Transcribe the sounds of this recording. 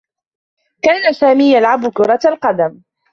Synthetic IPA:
kaːnasaːmiːjalʕabʊkʊɾˤɑt̪alqɑd̪am

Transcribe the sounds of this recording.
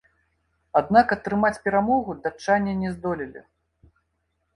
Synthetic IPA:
ad̪nakɐt̪ɾɨmat͡sʲpʲɛɾamɔɣud̪at͡ʂanʲːɛnʲɛzd̪ɔlʲilʲḭ

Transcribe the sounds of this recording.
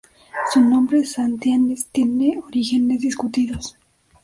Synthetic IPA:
sunõmbɾesant̪janest̪jeneoɾixenezðiskut̪iðos

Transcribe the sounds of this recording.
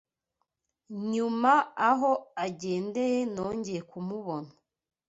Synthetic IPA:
ɲumaaɦo̞aɟe̞ːnde̞je̞no̞ːɲɟe̞jekumuβo̞nḁ

